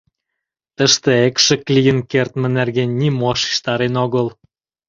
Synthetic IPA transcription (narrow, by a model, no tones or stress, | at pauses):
t̪əʃt̪ĕekʃĕklijənkert̪mə̆nerɣenʲːimoʃi̥ʃt̪ɑɾenoɣəl